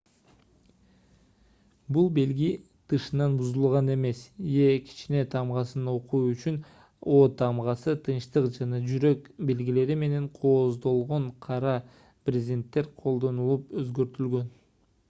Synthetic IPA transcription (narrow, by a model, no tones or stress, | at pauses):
bulˠbe̞lɡi | t̪ʰɯʃɯnɑnbuzulˠʁɑne̞me̞sije̞kʰi̥t͡ʃine̞t̪ʰɑmʁɑsɯno̞quːyt͡ʃyn | o̞ːt̪ʰɑmʁɑsɯt̪ʰɯnʃt̪ɯqd͡ʒɑnɑd͡ʒyɾø̞kbe̞lɡile̞ɾime̞ne̞ɴqʰo̞ːzd̪o̞lˠʁo̞ɴqʰɑɾɑ | prʲɪzʲd̪ʲe̞nt̪ːe̞ɾqʰo̞lˠd̪o̞nulˠupøzɡø̞ɾt̪ylɡø̞n